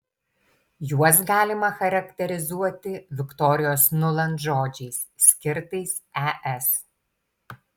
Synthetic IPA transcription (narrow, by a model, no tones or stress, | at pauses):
juɔs̬ɡɑːlʲɪmɐxɐɾɐkʲt̪ʲɛɾʲɪzuɔt̪ʲɪʋʲɪkt̪ɔːɾʲɪjoːsnʊlˠɐnt̪ʒoːd͡ʒʲɛɪssʲkʲɪɾt̪ɐɪsæʔɛs